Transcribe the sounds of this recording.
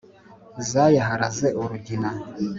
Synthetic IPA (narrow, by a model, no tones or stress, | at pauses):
zajaɦaɾazeʔuɾuɟina